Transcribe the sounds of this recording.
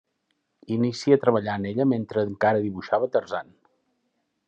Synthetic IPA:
inisiət̪ɾəβ̞əʎaːneʎəment̪ɾəŋkaɾəðiβuʃaβət̪ərzan

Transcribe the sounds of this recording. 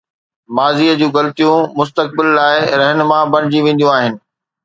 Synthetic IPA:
maːziːəd͡ʑũːɣɐlt̪ijũmʊst̪ək̚bɪlːaːɪɾɛɦnmãbɐñɪd͡ʑiʋẽːn̆d̪ijũaːɦɪnɪ̆

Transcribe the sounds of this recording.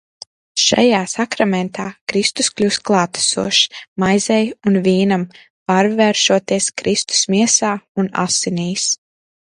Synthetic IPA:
ʃa̰jaːsakɾamɛnt̪ʰaːkɾist̪usklʲuːst̪klˠaːt̪ḁsṵɔʃmajzɛjunviːnam | paɾvɛːɾʃuɔt̪iɛskɾist̪u̥smiɛsaːuna̰siniːs

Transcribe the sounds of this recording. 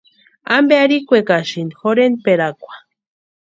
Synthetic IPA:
ambeaɾikʷekaʃind̪xoɾen̚peɾakʷḁ

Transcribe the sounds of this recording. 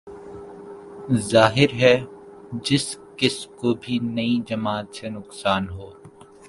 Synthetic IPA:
zaːɦɪɾɦɛd͡ʒɪskɪskobʱinɐĩd͡ʒɐmaːt̪senʊqsaːnɦoː

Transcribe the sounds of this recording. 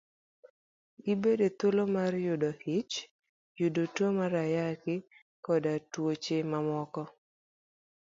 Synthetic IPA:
ibedet̪ʊlomarjʊdohɪt͡ʃ | jʊdotomaɾajakɪ | kɔdatwot͡ʃemamɔkɔ

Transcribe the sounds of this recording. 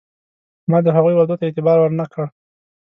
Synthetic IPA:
mɑd̪əɦaɣujwaɾd̪ot̪aet̪ɪbɑɾwəɾnakɽəɽ

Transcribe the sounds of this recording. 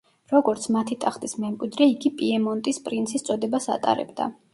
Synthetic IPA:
ɾɔɡɔɾt̪sʰmat̪ʰit̪ʼaχt̪ʼismɛmkʼwid̪ɾɛiɡipʼiɛmɔnt̪ʼispʼɾint̪sʰist̪sʼɔd̪ɛbasa̰t̪ʼa̰ɾɛ̰bd̪a̰

